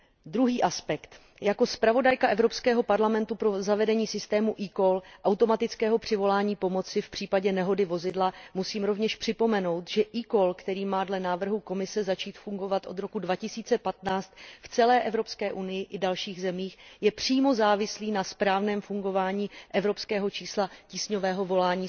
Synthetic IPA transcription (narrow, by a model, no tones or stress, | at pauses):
dɾuɦiːʔaspɛkt̪ | jako̞spɾavo̞dajkaʔɛvɾo̞pskɛːɦo̞paɾlamɛnt̪upɾo̞zavɛdɛɲiːsɪst̪ɛːmuʔiːkolʔawt̪o̞mat̪ɪt͡skɛːɦo̞pr̝̥ɪvo̞laːɲiːpo̞mo̞t͡sɪfpr̝̥iːpaɟɛnɛɦo̞dɪvo̞zɪdlamusiːmɾo̞vɲɛʃpr̥ɪpo̞mɛno̞wt̪ʒɛʔikolkt̪ɛɾiːmaːdlɛnaːvr̩ɦuko̞mɪsɛzat͡ʃiːt̪fuŋɡo̞vat̪ʔo̞d̪ɾo̞kudvacɪsiːt͡sɛpat̪naːt͡st̪ft͡sɛlɛːʔɛvɾo̞pskɛːʔunɪjɪʔɪdalʃiːɣzɛmiːxjɛpr̝̥iːmo̞zaːvɪsliːnaspɾaːvnɛːmfuŋɡo̞vaːɲiːʔɛvɾo̞pskɛːɦo̞t͡ʃiːslaciːsɲo̞vɛːɦo̞vo̞laːɲiː